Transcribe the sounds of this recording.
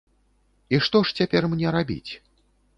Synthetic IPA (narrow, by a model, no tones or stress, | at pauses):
iʂt̪ɔʂt͡sʲapʲɛrmnʲɛɾabʲḭt͡sʲ